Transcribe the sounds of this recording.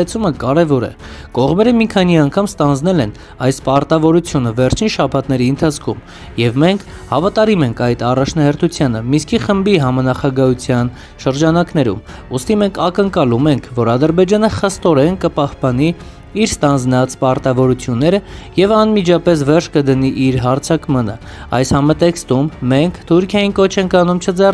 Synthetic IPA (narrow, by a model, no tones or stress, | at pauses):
ɛt͡sʰuməkɑɾɛvɔɾɛ̰ | kɔʁmɛɾəmikʰɑniɑŋkʰɑmst̪ɑnd͡znɛlɛn | ɑjspɑɾt̪ɑvɔɾut͡sʰjunəvɛɾt͡ʃʰinʃɑpʰɑt̪nɛɾiənt̪ʰɑt͡sʰkʰum | jɛvmɛŋkʰ | hɑvɑt̪ɑɾimɛŋkʰɑjt̪ɑrɑt͡ʃʰnɑɦɛɾt̪ʰut͡sʰjɑnəmiskiχəmbiɦɑmɑnɑχɑɡɑɦut͡sʰjɑn | ʃəɾd͡ʒɑnɑknɛɾṵm | ust̪imɛŋkʰɑkəŋkɑlumɛŋkʰvɔɾɑd̪əɾbɛd͡ʒɑnəχəst̪ɔɾɛnkəpɑhpɑni | iɾst̪ɑnd͡znɑt͡spɑɾt̪ɑvɔɾut͡sʰjunːɛɾəjɛvɑnmid͡ʒɑpɛs̬vɛrʃʰkəd̪əniʔiɾɦɑɾt͡sʰɑkmɑnə̰ | ɑ̰jshɑmɑt̪ɛkst̪umːɛŋkʰt̪ʰuɾkʰjɑjinkɔt͡ʃʰɛŋkʰɑnumt͡ʃʰəd͡zɛr